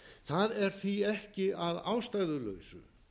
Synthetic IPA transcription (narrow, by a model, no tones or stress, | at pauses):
θaðɛɾ̥θviɛhcɪaðaːwst̪aɣðʏlœ̰ːɥsʏ̰